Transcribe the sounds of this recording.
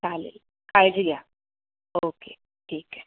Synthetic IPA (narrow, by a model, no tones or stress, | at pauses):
kalḭl | kajd͡ʒiɡja | oke | ʈʰiːkɛ̥